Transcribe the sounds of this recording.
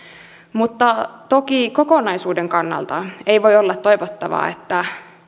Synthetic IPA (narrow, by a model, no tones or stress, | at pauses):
mut̪ːɑt̪okikokonɑjsuːdeŋkɑnːɑ̰lt̪ɑeiʋojolːɑt̪ːojʋot̪ːɑʋɑ̰ːḛt̪ːæ